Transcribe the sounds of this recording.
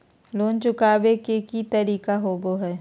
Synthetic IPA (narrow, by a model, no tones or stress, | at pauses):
loːnt͡ʃʊkaːbekekit̪ɐɾiːkaɦoːboɦɛː